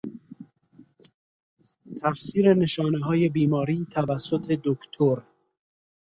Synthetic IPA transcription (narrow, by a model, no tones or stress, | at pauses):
t̪ʰæfsiːɾene̞ʃɒːneɦɒːje̞biːmɒːɾiːt̪ʰævæsːot̪ʰe̞d̪okt̪ʰoɾ